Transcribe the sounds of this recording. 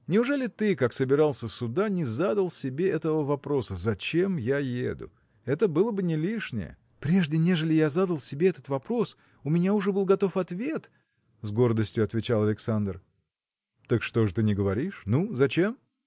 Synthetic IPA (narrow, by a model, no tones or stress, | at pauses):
nʲɪʊʐɛlʲɪt̪ɨkaksəbʲɪɾalˠsʲəsʊd̪anʲɪzad̪əlˠsʲɪbʲe̞ʔɛt̪əvəvɐpɾo̞səzɐt͡ɕe̞mjajḛd̪ʊ̰ | ɛt̪əbɨlˠəbɨnʲɪlʲiʂnʲɪ̰jə̰ | pɾʲe̞ʐdʲɪnʲe̞ʐɨlʲɪjazad̪əlˠsʲɪbʲeɛt̪ət̪vɐpɾo̞s | ʊmʲɪnʲaʊʐɛbɨlˠɡɐt̪o̞fɐt̪vʲe̞t̪ | zɡo̞rd̪əsʲtʲjʊɐt̪vʲɪt͡ɕalˠɐlʲɪksand̪r | t̪akʂt̪o̞ʐɨt̪ɨnʲɪɡəvɐɾʲiʂnuzɐt͡ɕe̞m